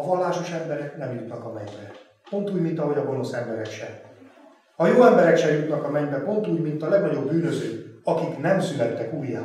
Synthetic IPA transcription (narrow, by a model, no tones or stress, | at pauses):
ɒvɒlːaːʃo̞ʃɛmbɛɾɛknɛmjut̪nɒkɒmɛɲbɛ | po̞n̪t̪uːɟmint̪ɒɦo̞ɟɒɡo̞no̞sɛmbɛɾɛkʃɛ | hɒjoːɛmbɛɾɛkʃɛjut̪nɒkɒmɛɲbɛpo̞nt̪uːɟmint̪ɒlɛɡnɒɟo̞bːyːnøzøːkɒkiknɛmsylɛt̪ːɛkuːjːa̰ː